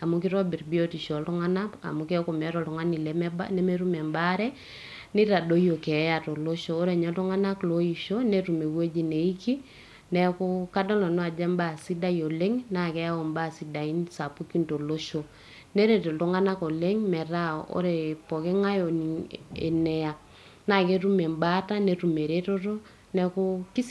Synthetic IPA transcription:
a˨mu˦ki˦ɾɔ˦bi˨rbi˦o˦ti˨ʃɔ˨ltu˦ŋa˦na˦a̰˨mu˨kɛ˦ku˨mɛ˨˦ɾɔ˨ltu˨ŋa˦ni˨lɛ˨mɛ˦ba̰nɛ˦me˦ɾu˦mɛ˨mba˦ɾɛ˦ | nɪ˦ɾa˨do˦jo˨kɛ˨˦ja˨to˨lo˦ʃoː˦ɾe˨ɲa˨˦tu˦ŋa˦na˦klo˦i˨ʃo˦ne˦ɾu˨me˨wwe˦d͡ʒi˨ne˨i˦ki˦ | nɛ˦kʊ˦ka˦dɔ˦lɔ˨nu˦a˨d͡ʒɛ˦mba˦˨si˦da˦jo˨le˦ŋna˦kɛ˦a˦ɔ˨mba˦˨si˨da˨i˦nsa˨pu˦ki˦nto˨lo˦ʃo˨ | ne˦ɾe˨tɔ˨tɔ˦ŋa˦na˦ko˨le˦ŋmɛ˨ɾa˦o̰˦ɾe˨pɔ˨ke˦ŋa˦jo˨nḛ˨nɛ˨a˨k | na˦˨ke˦ɾu˦me˨mba˦ta˦ne˨ɾu˨me˨ɾe˦to˦ɾo˦ | nɛ˨kʊ˦ki˦s

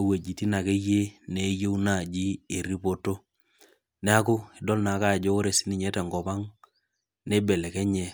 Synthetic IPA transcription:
a˨we˨d͡ʒi˨ti˦na˨ke˦je˦ne˨˦je˦u˦na˦˨d͡ʒi˦e˨ɾi˦po˦to˦ | nɛ˦a˦kʊ˦ɪ˨dɔ˦lna˨˦ka˦˨d͡ʒo˦ɾe˨si˦ni˨ɲɛ˦tɛ˨ŋɡɔ˨pa˦ŋ | nɛ˦bɛ˨lɛ˨kɛ˦ɲɛ˨

